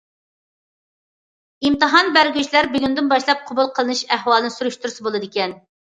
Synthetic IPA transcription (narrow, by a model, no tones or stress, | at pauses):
imt̪ɨɦɑnbæɾɡʲyt͡ʃlæɾbyɡʲynd̪ɪnbɑʃlˠɑp̚qʰobulˠqʰəlˠɨnɨʃæɦwɑlˠɨnɨsuɾyʃt̪uɾsɨbolˠɨd̪ɪkʲɛn